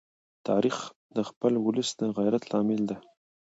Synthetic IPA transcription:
t̪ʰɑ̰ɾix | d̪əxpəlwʊləsd̪əɣajɾat̪lɑmɪld̪a

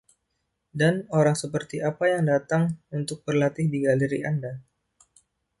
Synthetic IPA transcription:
danoɾaŋsəpərt̪iapajaŋdat̪aŋunt̪ʊk̚bərlat̪ɪhdiɡaləɾianda

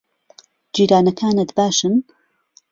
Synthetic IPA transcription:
d͡ʒiːɾaːnɐkʰaːnɨt̪baːʃɨn

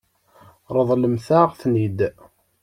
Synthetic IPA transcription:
ɾˤəðˤləmθæʁθnid̪

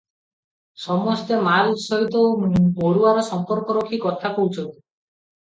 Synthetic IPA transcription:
sɔmɔst̪emalsɔɦit̪ɔoɽuaɾɔsɔmpɔɾkɔɾokʰikɔt̪ʰapout͡ʃʰɔnt̪i̥

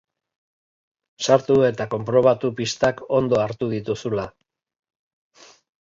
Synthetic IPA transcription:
saɾt̪ue̞t̪ako̞mpɾo̞βat̪upist̪ako̞nd̪o̞aɾt̪uðit̪usula

